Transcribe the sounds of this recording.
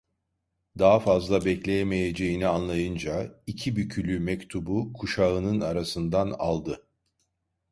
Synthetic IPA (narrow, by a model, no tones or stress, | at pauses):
d̪aɦafazlˠabɛclʲe̞jeme̞je̞d͡ʒe̞jinianlˠajɯnd͡ʒaicʰibycʰylʲymɛct̪ʰubukʰuʃaɯnɯnaɾasɯnd̪ana̰lˠd̪ɯ